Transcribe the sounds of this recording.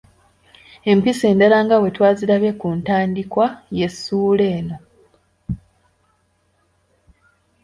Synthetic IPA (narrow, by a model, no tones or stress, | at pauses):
e̞mpise̞ːndalaːŋɡawe̞twaːziɾaβe̞kuntaːndikwaje̞sːuːle̞ːno̞